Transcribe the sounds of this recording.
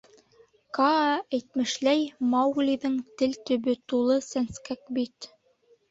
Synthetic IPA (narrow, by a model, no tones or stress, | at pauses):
kɑæjt̪mɘ̆ʃlæjmɑwɡlʲiðɘŋt̪ɘlt̪ɵ̆βɵt̪ulˠɤsænskæk̚bit̪